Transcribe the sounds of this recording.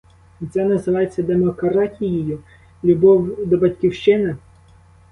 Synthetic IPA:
t͡s̪ʲɛnɐzɪʋɑjet͡sʲːɐd̪emɔkɐɾɑtʲijɪjʊ | lʲʊbɔwd̪ɔbɐtʲkʲiwʃt͡ʃɪnɐ

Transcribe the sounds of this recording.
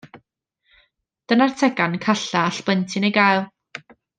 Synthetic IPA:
d̥ənartʰɛɡankʰaɬaːɬb̥əntʰɪnejɡajlˠ

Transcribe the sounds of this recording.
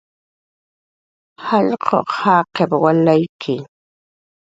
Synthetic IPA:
haʎqʰo̰qhɑːqepwalajkʰɪ

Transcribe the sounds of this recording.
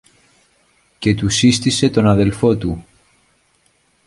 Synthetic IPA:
ce̞t̪usist̪ise̞t̪o̞nɐðe̞lfo̞t̪u

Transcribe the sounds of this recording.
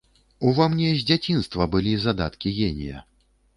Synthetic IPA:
uvamnʲɛzʲd͡zʲat͡sʲinst̪vɐbɨlʲizad̪a̰t̪kʲiɣʲenʲḭjɐ̰

